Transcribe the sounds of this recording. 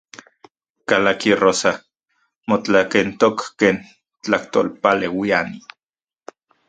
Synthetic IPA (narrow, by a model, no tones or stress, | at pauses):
kalakirosa | mot͡ɬakent̪okːeːn | t͡ɬaht̪o̰lpalewiani